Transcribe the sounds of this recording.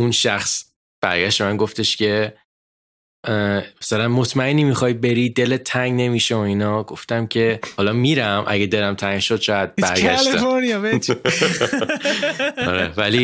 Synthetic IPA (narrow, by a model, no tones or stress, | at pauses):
unʃæxs | b̥æ̰ɾɟæʃt̪emænɡo̞ft̪eʃcʰe̞ | mæsælænmo̞t̪ʰmæeniːmixɒːjbe̞ɾiːd̪e̞let̪ʰːæŋɡne̞miʃeoinɒːɡo̞ft̪æmcʰe̞hɒlɒmiɾæmʔæ̰ɟɡed̪elæmt̪ʰæŋɡʃod̪̥̚ʃɒːæd̪̥̚bæɾɡæʃltiæoɾniɒbe | ɒɾevæli